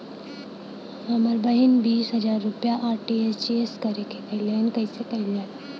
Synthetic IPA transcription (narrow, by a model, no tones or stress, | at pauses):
ɐməɾbəɦinbiːsɦɐd͡ʒaːɾːupjaʔaːɾʈiest͡ʃieskɐɾekekɐilenkəjsekɐila